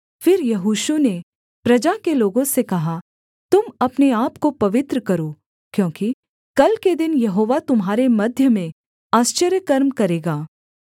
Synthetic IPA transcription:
fɪɾjɐɦuːʃune | pɾɐd͡ʒakeloːɡõsekɐɦa | t̪ʊmɐpneaːpkopɐʋɪt̪ɾəkɐɾoː | kjõːki | kɐlked̪ɪnjɐɦoːʋat̪ʊmɦaːɾemɐd̪ʱjəmẽ | aːst͡ʃəɾjəkɐɾmkɐɾeːɡaː

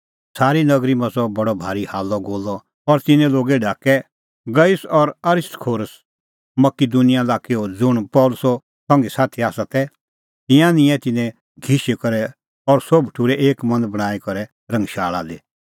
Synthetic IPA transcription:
saːɾinɐɡɾimɐ̃sɔbɐɽɔbʱaːɾihaːlːɔɡoːlːɔ | ɔɾt̪ɪnɛ̃loːɡeɖaːkɛ | ɡɐjɪsɔɾɐɾɪst̪kʰoːɾəs | mɐkid̪unɪjalaːkeod͡zʊɽ̃pɔːlʊsɔ | sɔ̃ŋɡesaːt̪ʰiaːsat̪ɛ | t̪ɪ̃jãnɪ̃jɛ̃t̪ɪnɛ̃ | ɡʱiʃekɔɾɛ | ɔɾsobʈʰuɾɛʔeːkmɐ̃nd̪bɐɽ̃aːikɔɾɛ | ɾɐ̃ŋɡʃaːɭa̰d̪eː

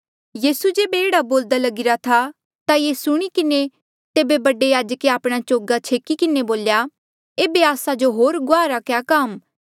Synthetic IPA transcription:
jiːsud͡ʒeːbeeːɽaboːld̪alɐɡɪɾat̪ʰa | t̪ajesʊɽ̃ikɪne | t̪eːbebɐɖejaːd͡ʒəkeaːpɽ̃at͡ʃoːɡat͡ʃʰeːkikɪneboːlja | eːbeaːsad͡ʒoɦoːɾɡʊaːɾakjaːkɐm

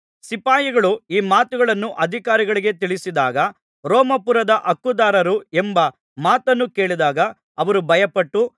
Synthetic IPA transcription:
sipaːjiɡɐɭuiːmaːt̪uɡɐɭɐnːuʔɐd̪ʱikaːɾiɡɐɭiɡe̞t̪iɭisid̪aːɡɐ | ɾɔːmɐpuɾɐd̪ɐʔɐkːud̪aːɾɐɾuembɐ | maːt̪ɐnːuke̞ːɭid̪aːɡɐ | ɐʋɐɾubʱɐjɐpɐʈːu

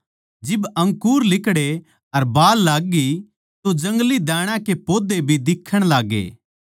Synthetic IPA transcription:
d͡ʒɪbɐ̃ŋkuːɾlɪkɽe | ɐɾbaːlːaːɡːi | t̪od͡ʒɐ̃ŋɡlid̪ɛːɽ̃ãkepoːd̪ebʱid̪ɪkʰːəɽ̃laːɡḛː

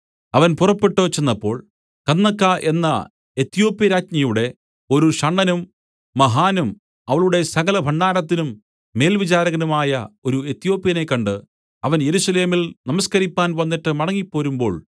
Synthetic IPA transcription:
ɐʋɐnpurɐpːe̞ʈːo̞ːt͡ɕenːɐpːo̞̰ːɭ | kɐnːɐkːaʔe̞nːɐ | et̪ːijo̞ːpjɐɾaːtɲɐjuɽe̞ | o̞ɾuɕɐɳːɐnumː | ɐɦaːnum | ɐʋɐɭuɽe̞sɐɣɐlɐbʱɐɳɖaːɾɐt̪ːinumː | e̞ːlʋit͡ɕaːɾɐɣɐnumaːjɐo̞ɾuet̪ːjo̞ːpjɐne̞kːɐɳɖɨ | ɐʋɐnjeɾusɐle̞ːmilnɐmɐskɐɾipːaːnʋɐnːiʈːɨmɐɽɐŋːipːo̞ːɾumbo̞̰ːɭ

